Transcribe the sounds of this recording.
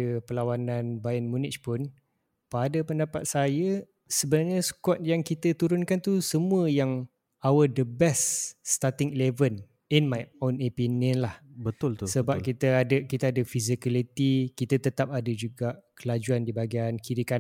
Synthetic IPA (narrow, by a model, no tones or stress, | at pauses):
əpəlawanãnbajənmunɪt͡ʃpʊn | padəpəndapat̪̚sajə | səbənarɲəskɔt̪̚jaŋkit̪ət̪uɾʊnkant̪usəmũəjaŋ | awədəbɛstst̪at̪iŋilevən | inmajonəpinənlahbət̪ʊlt̪səbap̚kit̪əadəkit̪əadəfizikalit̪ikit̪ət̪ət̪ap̚adəd͡ʒuɡaʔkəlad͡ʒuandibaɡiankʰiɾika